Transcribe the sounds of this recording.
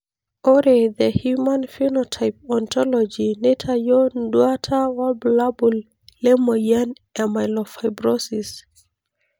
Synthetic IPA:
oɾeðəhjumãnfinɔtʰaɪp̚ɔntʰɔlɔd͡ʒinetʰajɔndwatʰawablabul | lɛmɔjan | ɛmajlɔfaɪbɹosis

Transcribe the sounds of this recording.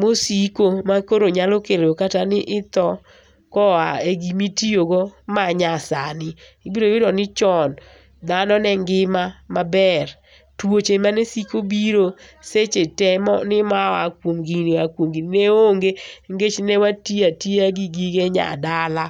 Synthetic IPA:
mosikomakoɾoɲalokelokatanɪʔɪt̪ɔ | kɔaeɡimitioɡɔmaɲasanɪ | ibiɾowɪdɔnɪt͡ʃɔn | d̪anɔnɛŋɡɪmamabɛr | twot͡ʃemanesikobiɾoset͡ʃetɛmɔ̰nɪmaakwomɡiniakwomɡinineoŋɡeŋɡet͡ʃnɛwatjatjeaɡiɡiɡeɲa̰dala

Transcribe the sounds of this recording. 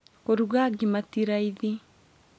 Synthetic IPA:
koɾuɣaɡimatiɾaiði

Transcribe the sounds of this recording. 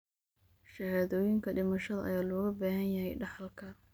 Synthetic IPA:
ʃɐhaːðɔːjɪŋkʰɐɖɪmɐʃɐðɐʔɐ̰jaːlɔːɣɐbaːɦɐnjɐɦɛjɖɑħɑlkʰɐ

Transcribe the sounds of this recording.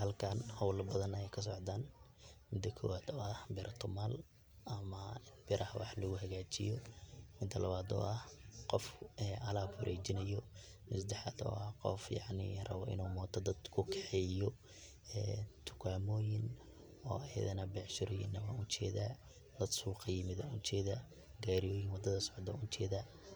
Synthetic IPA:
hɐlkʰanhɐwlbɐðɐnɐjɛkʰɐs̬ɔʕd̪aːn | mɪd̪ɐkʰɔ̰waːd̪ɔɐhbɪɾʔɐt̪ʰʊmal | ɐmɐɪnbɪɾʔɐhɐwɑ̰ħlɐɣʊɦɐɣaːt͡ʃɪ̰jɔmɪd̪ʰɐlɐβaːd̪ɔ̰ːʔɐhqɔfɛʔɐlaːbhʊɾʔɛːt͡ʃɪnɐjɔ | mʊsd̪ɛħɑðɔ̰ːɐqɔ̰fjɑʕnɪ̰rɐ̰βɔʔɪ̰nuːmɔːt̪ʰɔd̪ɐd̪kʰʊkʰɛħɛjɔ | ɛːt̪ʰʊ̥kʰaːmɔːjɪn | ɔːɐjɐ̰ðɐnɐbɛʕʃɪɾɔjɪ̰nɐmɐʊt͡ʃɛːða | d̪ɐd̪suːqɑjɪmɪðɐʊt͡ʃɛːðɐ | ɡaːɾijɔːjɪnwɑd̪ɐðɐsɔ̥ʕd̪ɐ̰ʊnt͡ʃɛːðɐ

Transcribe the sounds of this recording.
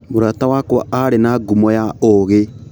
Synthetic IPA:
moɾatawakwa̰aɾenaːɡumɔjaoɣe

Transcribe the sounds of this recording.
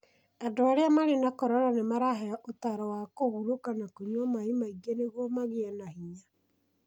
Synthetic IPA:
adoaɾeamaɾenakɔɾɔɾanemaɾaɦeaʔotaɾɔwakoɣuɾokanakoɲwamaimaiɣɛneɣwɔmaɣeɛnahiɲa

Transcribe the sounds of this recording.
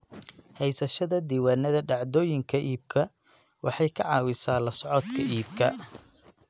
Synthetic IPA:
hɛjsɐʃɐðɐd̪iːwaːnɐðɐɖɑʕd̪ɔːjɪŋkʰɐʔiːb̚kʰɐ | wɑħɑjkʰɐʕɑːwɪsaːlɐsʕɔt̪kʰɐʔiːb̚kʰɐ

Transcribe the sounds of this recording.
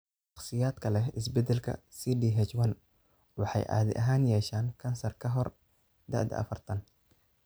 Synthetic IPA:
ʃɑχsɪjaːd̪̥kʰɐlɛɪs̬bɛd̪ɛlkʰɐ̰siːɖiːɦɛt͡ʃwɐn | wɑħɑ̰jʔa̰ːðɪ̰ʔɐɦaːnjɛːʃaːŋkʰɐnsɐrkʰɐɦɔr | d̪ɐ̰ʕd̪ɐ̰ɐ̰fɐrt̪ʰɐn

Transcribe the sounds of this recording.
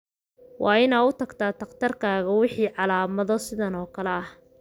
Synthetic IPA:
wʔɑːɪnaːʊt̪ʰɐɡt̪ʰaːt̪ʰɐqt̪ʰɐrkʰaːɣɐwɪħiːʕɑlaːmɐðɔsɪðɐnɔːkʰɐlɛɐh

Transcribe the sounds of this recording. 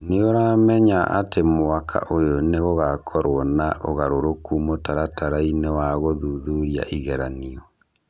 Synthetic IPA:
neoɾaːmɛɲaʔa̰temoakʰa̰ʔojoneɣoɣakʰɔɾwɔnaʔoɣaɾoɾokumotaɾataɾainewaɣoðuðuɾia̰ʔiɣɛɾaniɔ

